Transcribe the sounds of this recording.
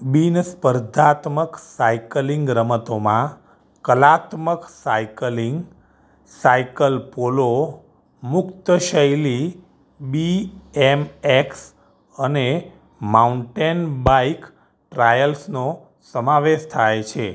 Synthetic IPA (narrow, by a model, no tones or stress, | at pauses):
binəspəɾd̪ʱat̪məksaikliŋɡɾəmət̪omã | kəlat̪məksaikəliŋɡ | saikəlpolo | mʊkt̪əʃəjli | biɛmeks | əne | mauɳʈenbajk | ʈɾajəlsno | səmãʋeʃt̪ʰajt͡ʃʰe